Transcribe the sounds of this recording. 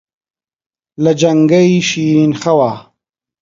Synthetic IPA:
lɐd͡ʒɐŋɡɐiɕiːɾinxɐwaː

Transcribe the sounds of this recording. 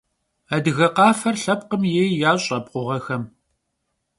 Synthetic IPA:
adɨɣɐqɑːfɐrɬɐp̚qəmjejjaːɕʼɐp̚ʼqʷʊʁɐxɐm

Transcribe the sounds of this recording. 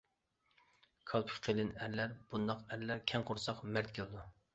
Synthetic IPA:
kʰɑlˠpʰʊ̥qʰelɪnæɾlæɾb̥und̪ɑqæɾlæɾkʲʰɛŋqʰoɾsɑqmæɾt̪kʲʰelˠd̪u

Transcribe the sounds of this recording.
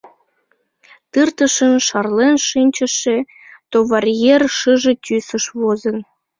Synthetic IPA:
t̪ɯrt̪əʃənʃɑrlenʃinʲt͡ɕə̆ʃe | t̪ovɑrʲjerʃɯʒĕt̪ʲysəʃβozə̆n

